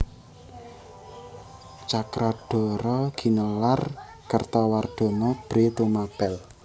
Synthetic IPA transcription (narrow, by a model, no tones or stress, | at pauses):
t͡ʃakɾʔaɖ̥ɔ̤ɾɔɡ̥i̤nɔlar | kərt̪ɔward̪̥ɔ̤nɔb̥ɾet̪umab̥ɛl